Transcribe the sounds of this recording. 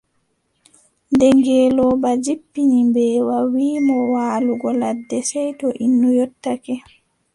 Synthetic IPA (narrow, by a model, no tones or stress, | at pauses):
ndɛŋɡɛːlɔbad͡ʒipːiɲimbɛːwawiːmɔwaːluɡɔladːɛsɛjtɔʔinːujɔtːakɛ